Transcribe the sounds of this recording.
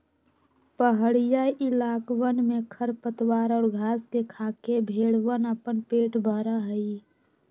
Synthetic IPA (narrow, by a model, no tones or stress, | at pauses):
pəɦəɽijaʔilaːkwənmẽkʰəɾpət̪waːɾɔːɾɡʱaːsd̪ekʰakebʱeːɽʋənəpənpeːʈbʱəɾaɦəi